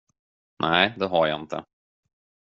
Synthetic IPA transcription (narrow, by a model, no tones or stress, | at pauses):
nʔæɪd̪ɛɦaɾja̰ɪnt̪ʰə̰